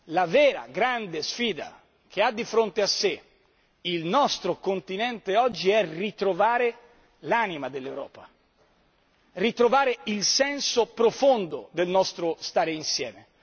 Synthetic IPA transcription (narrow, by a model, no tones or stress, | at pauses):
lavɛːɾa̰ɡɾand̪esfiːd̪a̰ | k̟ead̪ːifɾont̪ease | ilnɔst̪ɾokont̪inɛnt̪eɔd͡ʒːiɛrit̪ɾovaːɾe | laːnimad̪elːewɾɔ̰ːpa | rit̪ɾovaːɾeilsɛnsopɾofond̪od̪elnɔst̪ɾost̪aːɾeinsjɛ̰ːme